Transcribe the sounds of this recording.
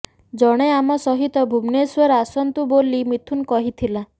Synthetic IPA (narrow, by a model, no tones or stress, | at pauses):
d͡ʒɔɽ̃eamɔsɔɦit̪ɔbʱumneswɔɾasɔnt̪ubolimit̪ʰunkɔɦit̪ʰila